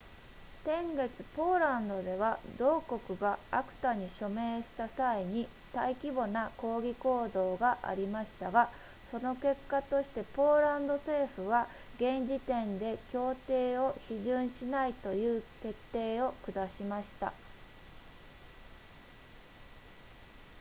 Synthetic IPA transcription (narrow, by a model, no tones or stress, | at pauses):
sẽ̞ŋɡe̞t͡sɨ̥po̞ːɾãnd̪o̞d̪e̞β̞ad̪o̞ːko̞kɯ̟ɡaakɯ̟̥t̪aɲ̟iɕo̞me̞ːɕi̥t̪asaiɲ̟i | t̪aikʲibo̞nako̞ːɡʲiko̞ːd̪o̞ːɡaʔa̰ɾʲimaɕi̥t̪aɡa | so̞no̞ke̞kːat̪o̞ɕi̥t̪e̞po̞ːɾãnd̪o̞se̞ːɸɯ̟β̞a | ɡẽ̞ɲd͡ʑit̪ẽ̞nd̪e̞kʲo̞ːt̪e̞ːo̞çiʑɨ̃ɰ̃ɕinait̪o̞jɯ̟ːt̪e̞t̪ːe̞ːo̞kɯ̟d̪aɕimaɕi̥t̪a̰